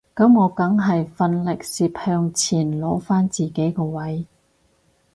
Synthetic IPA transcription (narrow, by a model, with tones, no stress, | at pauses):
kɐ˨˥mŋɔː˨˧kɐ˨˥ŋɦɐ˨jfɐ˧nlɪ˨k̚siː˧p̚hœː˧ŋt͡sʰiː˨˩nlɔː˨˥faː˥nt͡siː˨˩ke˨˥jkɔː˧wɐ˨˥j